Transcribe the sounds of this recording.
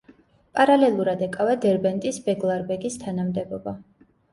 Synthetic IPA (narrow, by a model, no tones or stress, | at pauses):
pʼaɾalɛlˠuɾad̪ɛkʼavad̪ɛɾbɛnt̪ʼisbɛɡlˠaɾbɛɡist̪ʰanamd̪ɛbɔba